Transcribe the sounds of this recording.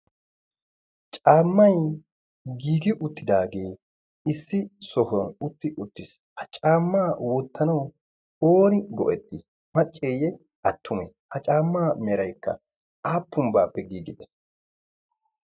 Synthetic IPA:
t͡ʃʼaːmːɐj | ɡiːɡɪʔʊt̪ːɪd̪aːɡeː | ɪsːɪsɔhɔnʊt̪ːɪʔʊt̪ːɪs | hɐt͡ʃʼaːmːaːwɔt̪ʰːɐnɐw | oːnɪɡɔ̰ʔɛt̪ːɪ | mɐt͡ʃʼːejɛ | ɐt̪ʰːʊmɛ | hɐt͡ʃʼaːmːaːmɛɾɐjkːɐ̰ | aːpːʊmbaːpːɛɡiːɡɪd̪ɛ̥

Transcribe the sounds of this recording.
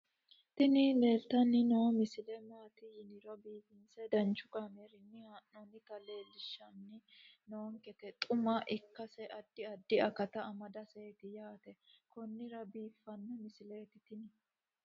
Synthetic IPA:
t̪ɪnɪleːlt̪ɐnːɪnomɪsɪlɛmaːt̪ɪjɪnɪɾɔbiːfɪnsɛd̪ɐnt͡ʃʊkameɾɪnːɪhaʔːɔnɪt̪ɐle̞ːlɪʃːɐnːɪnoːŋkɛt̪ɛt̪ʼʊmɐʔɪkːɐsɛʔɐd̪ːɪɐd̪ːɪɐkɐt̪ɐːmɐd̪ɐseːt̪ɪjaːt̪ɛ | kɔnːɪɾɐbiːfːɐnːɐmɪsɪle̞ːt̪ɪt̪ɪnɪ

